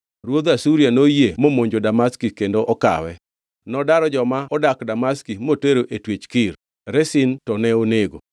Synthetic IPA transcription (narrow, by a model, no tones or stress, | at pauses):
ɾwod̪asuɾianojemomoɲd͡ʒodamaskikendoʔɔka̰wɛ̰ | nɔdaɾɔd͡ʒɔmaɔdakdamaskimoteɾoʔetwet͡ʃkɪɾ | ɾɛsintɔnɛoneɡo̰